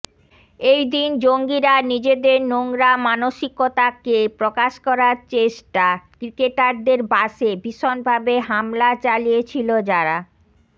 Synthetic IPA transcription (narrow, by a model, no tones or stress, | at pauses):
ejd̪ind͡ʑoŋɡiɾanid͡ʑed̪eɾnoŋɾamanoʃikːot̪akepɾokaʃkɔɾaɾt͡ɕeʃʈakɾikeʈaɾd̪eɾbaʃebiʃonbʱabeɦamlat͡ɕalijet͡ɕʰilod͡ʑaɾa